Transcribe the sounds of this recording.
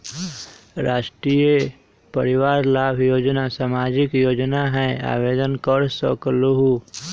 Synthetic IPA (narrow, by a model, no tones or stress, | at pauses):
ɾaːʃʈɾije | pəɾɪwaːɾlaːbʱjoːd͡ʒnasaːmaːd͡ʒɪkjoːd͡ʒnaɦɛ̃a̰ːweːd̪ənkəɾsə̰kluɦu